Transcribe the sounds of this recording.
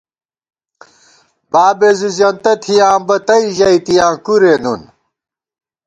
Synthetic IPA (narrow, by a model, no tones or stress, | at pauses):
baːbezuzjɐnt̪ɐt̪ʰijãːmbɐt̪ɐiʑɐit̪ijãːkuɾeːnun